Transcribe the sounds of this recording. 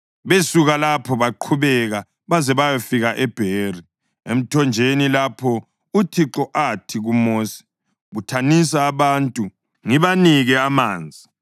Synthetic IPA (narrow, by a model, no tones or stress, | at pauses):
βesuɣalapʰɔβaǃʰuβɛɣa | βazɛβajɔfiɣaʔɛb̥ʱeːri | ḛm̩tʰɔnd͡ʒʱenilapʰɔ | utʰiǁɔʔatʰiɣumoːsi̥ | βutʰanis̬aːβaːntʼu | ŋiβaniɣɛamaːnd͡zʱi